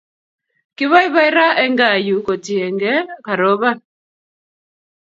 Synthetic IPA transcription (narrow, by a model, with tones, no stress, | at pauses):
ki˦βa˦i˦βa˦i˦ɾa˦ʔɛ˦ŋɡa˦˨ju˨kɔ˨ti˨ɛ˨ŋɡɛ˦ka˨ɾɔ˨˦βa˦